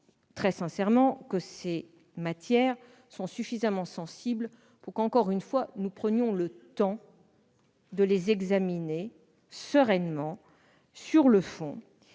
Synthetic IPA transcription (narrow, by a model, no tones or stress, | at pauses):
t̪χɛsɛ̃sɛʁmɑ̃kəse | mat̪jɛʁ | sɔ̃syfizamɑ̃sɑ̃sibl | puʁkɑ̃kɔʁynfwanupχənjɔ̃lət̪ɑ̃ | d̪əlezɛɡzamine | səʁɛnmɑ̃ | syʁləfɔ̃